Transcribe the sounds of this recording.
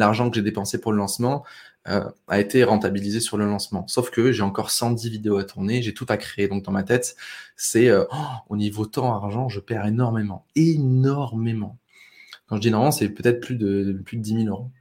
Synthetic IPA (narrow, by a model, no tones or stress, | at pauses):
laʁʒɑ̃kəʒed̪epɑ̃sepuʁləlɑ̃smɑ̃ø̰a̰et̪ʰeʁɑ̃t̪abilizesyʁləlɑ̃smɑ̰̃sofkəʒeɑ̃kɔʁsɑ̃d̪ivid̪eoat̪ʰuʁneʒet̪ut̪akχeːd̪ɔ̃k̚d̪ɑ̃mat̪ɛt̪sɛøonivot̪ɑ̃aʁʒɑ̃ʒəpɛʁenɔʁmemɑ̃enɔʁmemɑ̃ | kɑ̃ʒəd̪inɔ̃mɑ̃sɛpøt̪ɛt̪χplyd̪əplyd̪əd̪imiløʁo